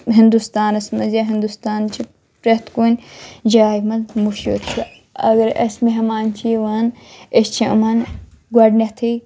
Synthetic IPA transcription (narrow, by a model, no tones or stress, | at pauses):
ɦind̪ust̪aːnɐsmɐzaɦind̪ust̪aːnt͡ʃʰi | ɾɐt̪kuːnʲd͡ʒaːjmɐlmuʃṵɾt͡ʃʰu | ɐ̰ɡɐɾɐsmiɦɐmaːnt͡ʃʰiʋaːnest͡ʃʰiʔṵmɐn | ɡwɐɖnɐt̪ʰi